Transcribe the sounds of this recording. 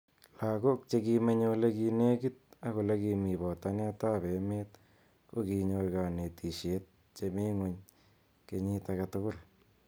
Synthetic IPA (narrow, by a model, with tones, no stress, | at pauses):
la˨ko˦k̚t͡ʃe˦kime˦ɲo˦le˦ki˧ne˦ki˦t̚a˦ko˨le˦kimi˨βɔ˨ta˦ne˦ta˦βe˨me˦t | ko˦ki˨ɲo˧rɡa˨ne˨ti˨ʃe˦t̚ | t͡ʃeme˦ŋwo˦ɲ | ke˨ɲi˦taka˨tʊkʊ˦l